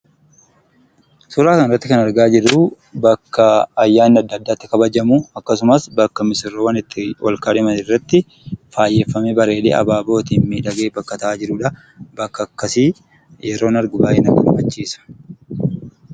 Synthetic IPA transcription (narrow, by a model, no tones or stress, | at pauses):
sʊɾaːkɐnɪɾrːɐt̪ːɪkɐnɐɾɡaːd͡ʒɪɾːʊ | bɐkːɐɐjːaːnɪɐd̪ːɐd̪ːaːt̪ːɪ̥kɐbɐd͡ʒɐmuɐkːɐs̬ʊmɐsbɐkːɐmɪsɪrːoːwɐnɪt̪ːɪʔɔ̰lkaːᶑɪmɐnɪrːɐt̪ːɪ | faːjːeːfːɐmebɐɾe̞ːlḛːɐ̰baːbo̞ːt̪iːnmiːᶑɐɡeːbɐkːɐt̪ɐaːd͡ʒɪɾʊːᶑɐ | bɐkːɐkːɐsiː | jɛɾo̞ːnɐɾɡʊbaːʔeːnɐkːɐ̰kɐbɐt͡ʃːiːsɐ̥